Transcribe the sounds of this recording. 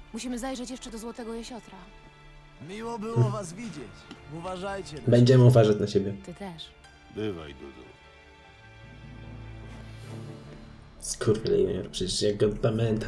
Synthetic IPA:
muɕimɘzajʐɛt͡ɕjɛʂt͡ʂɛd̪ɔzwɔt̪ɛɡɔjeɕɔt̪ɾa | mʲiwɔbɘwɔvasvʲid͡ʑet͡ɕuvaʐajt͡ɕɛbɛɲd͡ʑɛmɘuvaʐat͡ɕnaɕebʲjɛt̪ɨt̪ɛʂ | bɪva̰jd̪ṵd̪ṵ | skʰuɾvʲɛlɛ̰jmɛ̰mʲɛɾpʂɛd͡ʑt͡ɕɛaɡɡɔpamɛnt̪ʰa

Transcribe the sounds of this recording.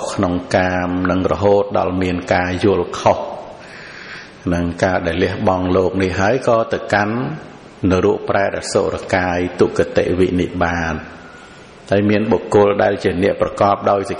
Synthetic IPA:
kʰnoŋkaːmnɨŋrɔ̰ɦoːt̪̚ɗɑ̰lmiənkaːjʊəlkʰoh | nɨŋkaːɗaɛlːiəhɓɑŋloːk̚nihɦaəjkɑːt̪ɨwkanː | ɨwɾuəʔpraɛɗaɛlso̰ːʔrakaːjt̪uʔkat̪ḛʔʋiʔnihɓaːn | haəjmiənɓokːʊ̆əlɗaɛlt͡ɕiənɛ̆əʔprɑkɑːp̚ɗaɔjs

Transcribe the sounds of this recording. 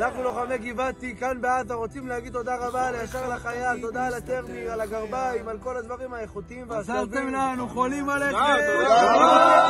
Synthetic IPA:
anaχnuloχameɡivat̪ikanbeat̪aʁot͡simlehaɡid̪̚t̪o̞d̪aʁabalejaʃeʁalaχajalt̪o̞d̪aːlat̪eʁmialaɡaʁbaimalko̞lad̪vaʁimhaeχut̪iimveasavemnanuχolimalee

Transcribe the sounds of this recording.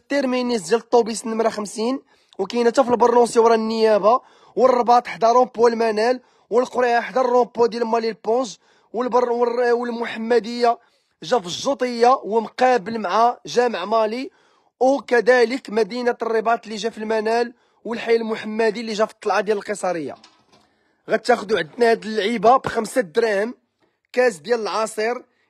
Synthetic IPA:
t̪ˤːiɾminizilt̪ˤːobisnəmɾæxəmsin | wkæjnæt̪æfəlbɑɾˤnusiwɾˤɑnːəjæba | wərˤːbɑt̪ˤħd̪ɑɾˤɔ̃pːwlmænæl | wəlqoɾaħd̪ɑrˤːɔ̃pːod̪jælmɑlilpːõʒ | wəbwəlmʊħamːæd̪əjːa | ʒæfəʒːot̪ˤəjːawəmqæbəlmʕaʒæməʕmɑli | kæd̪æləkmæd̪inat̪ərˤːibɑt̪lːiʒæfilmænæl | wəlħajːælmʊħəmːæd̪ilːiʒæft̪ˤːɑlʕɑd̪jæləlqəsˤɑɾəjːa̰ | ɣæt̪ːæxd̪uʕəd̪næhæd̪əlːʕibabxəmsad̪ɾæhm | kæsd̪jæləlʕɑsˤəɾ

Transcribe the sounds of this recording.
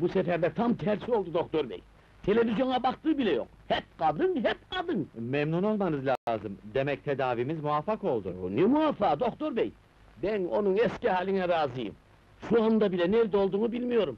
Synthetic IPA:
busɛfɛɾd̪ɛt̪ʰamt̪ʰæɾsio̞lˠd̪ud̪o̞kt̪ʰo̞ɾbɛ̰j | t̪ʰe̞lʲe̞vizjo̞nabakt̪ɯːbilʲɛjo̞̰k̚hɛp̚qɑd̪ɯŋɦɛp̚qɑd̪ɯŋmɛmnuno̞lˠmanɯzlʲaːzɯmd̪emɛc̚t̪ʰed̪aːvimizmuafako̞lˠd̪unɛmuafaːd̪o̞kt̪ʰo̞ɾbɛj | bæno̞̰nunɛscihaːlʲinɛɾaːzɯjɯ̰m | ʃuand̪abilʲɛnɛɾd̪o̞lˠd̪uːnubilʲmijo̞ɾum

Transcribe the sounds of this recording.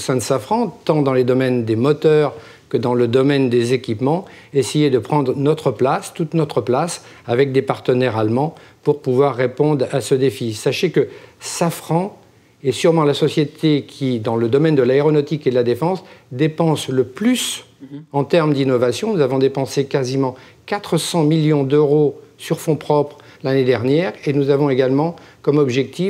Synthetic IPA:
osɛ̃d̪əsafχɑ̃t̪ɑ̃d̪ɑ̃led̪ɔmɛnd̪emɔt̪œʁ | kəd̪ɑ̃ləd̪ɔmɛnd̪ezekʲipmɑ̃ | esejed̪əpχɑ̃d̪ʁnɔt̪χəplast̪ut̪nɔt̪χəplas | avɛk̚d̪epaʁt̪ənɛʁalmɑ̃puʁpuvwaʁːepɔ̃d̪ʁasəd̪efisaʃekəsafχɑ̃ | esyʁmɑ̃lasɔsjet̪ʰekʲʰid̪ɑ̃ləd̪ɔmɛnd̪əlaeʁɔnɔt̪iked̪əlad̪efɑ̃sd̪epɑ̃sləplys | ɑ̃t̪ɛʁmd̪inɔvasjɔ̃nuzavɔ̃d̪epɑ̃sekazimɑ̃ | kat̪χəsɑ̃miljɔ̃d̪øʁosyʁfɔ̃pχɔpχ | laned̪ɛʁnjɛʁenuzavɔ̃eɡalmɑ̃kɔmɔbʒɛk̚t̪if

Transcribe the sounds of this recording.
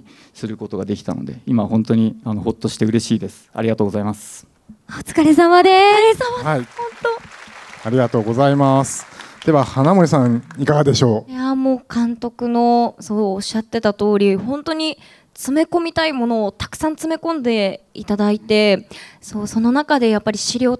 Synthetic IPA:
sɨɾɯ̟ko̞t̪o̞ɡad̪e̞kʲi̥t̪a̰no̞̰d̪e̞̰imahõ̞nt̪o̞ɲ̟iano̞ho̞t̪ːo̞ɕi̥t̪e̞ɯ̟ɾe̞ɕiːd̪e̞sɨ̥a̰ɾʲiɡat̪oːɡozaimasɨ̥ | ot͡sɨ̥kaɾʲesamad̪e̞haihõnt̪oaɾʲiɡat̪o̞ːɡo̞zaimasɨ̥d̪̥e̞βahanamoisãɰ̃ikaɡad̪e̞ɕo̞ːjamo̞ːkãnt̪o̞kɯ̟no̞so̞ːɕːat̪ːe̞t̪at̪o̞ːɾʲihõ̞nt̪o̞ɲ̟i | t͡sɨme̞ko̞mʲit̪aimo̞no̞ːt̪ḁkɯ̥sãnt͡sɨme̞kõ̞nd̪e̞it̪ad̪ait̪e̞so̞ːso̞no̞nakad̪e̞japːaɾʲiɕiɾʲo̞ː

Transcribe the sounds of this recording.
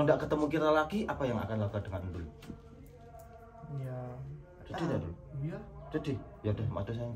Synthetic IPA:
ŋdaʔkət̪əmukiɾalakiʔapajaŋa̰kanlakadəŋaddulu | d͡ʒadidadulu | d͡ʒadɪ | jadɛhma̰tus̬aja

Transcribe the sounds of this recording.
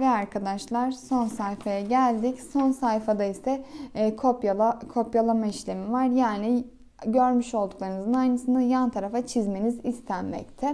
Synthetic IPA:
vɛaɾkʰad̪aʃlˠaɾso̞nsajfajaɟælʲd̪icso̞nsajfad̪aisɛkʰopaakʰo̞pjalˠamaiʃlʲemivaɾjaːni | ɟøɾmyʃo̞lˠd̪uklˠaɾɯnzɯnajnɯsɯnajant̪ʰaɾafat͡ʃʰizme̞nizist̪ʰænmɛ̰ct̪ʰɪ

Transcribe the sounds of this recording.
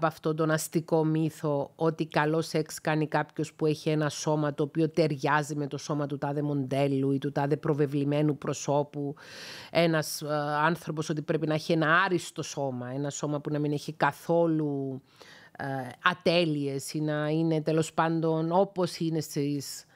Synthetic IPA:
pɐft̪ot̪o̞nɐst̪iko̞miθo̞ot̪ikɐlo̞se̞kskɐnikɐpço̞spue̞çie̞nɐso̞mɐt̪o̞ːpio̞t̪e̞ɾʝɐzime̞t̪o̞so̞mɐt̪ut̪ɐðe̞mo̞nd̪e̞lːuit̪ut̪ɐðe̞pɾo̞ve̞vlime̞nupɾo̞so̞pu | e̞nɐsɐnθɾo̞po̞so̞t̪ipɾe̞pinɐeçienɐɐɾist̪o̞so̞mɐe̞nɐso̞mɐpunɐmineçikɐθo̞lu | ɐt̪e̞lie̞sinɐine̞t̪e̞lo̞spɐnd̪o̞no̞po̞sine̞st̪is

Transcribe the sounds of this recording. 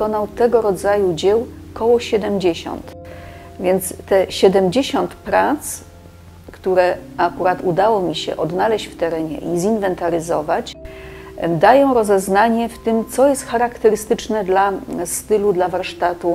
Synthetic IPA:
kɔnawt̪ɛɡɔɾɔd̪zajud͡ʑɛw | kɔwɔɕɛd̪ɛmd͡ʑeɕɔ̰nt̪ | vʲjɛnt̪st̪ɛɕɛd̪ɛmd͡ʑeɕɔnt̪pɾat̪s | kt̪uɾɛakuɾat̪ud̪awɔmʲiɕɛ̰ʔɔd̪nalɛɕt͡ɕft̪ɛɾɛɲɛ̰ʔizinvɛnt̪aɾɘzɔvat͡ɕ | d̪ajɔ̃w̃ɾɔzɛznaɲɛft̪ɘmt̪sɔjɛst̪xaɾakt̪ɛɾɘst̪ɘt͡ʂnɛd̪last̪ɘlud̪lavaɾʂt̪at̪u

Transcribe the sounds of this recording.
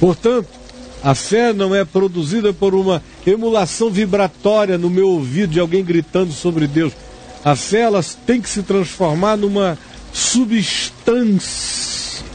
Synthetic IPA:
poɾt̪ɐ̃nt̪ʊ̥ | ɐfɛnɐ̃w̃ɛpɾod̪uzid̪ɐpoɾũmɐ | emulasɐ̃w̃vibɾat̪ɔɾiɐnʊmewovid̪ʊd͡ʒɪawɡẽj̃ɡɾit̪ɐ̃nd̪ʊsobɾɪd̪ews | ɐfɛɛlɐt̪ẽj̃kɪ̥sɪt̪ɾɐ̃sfoɾmaɾnũmɐ | subiʃt̪ɐ̃siɐ

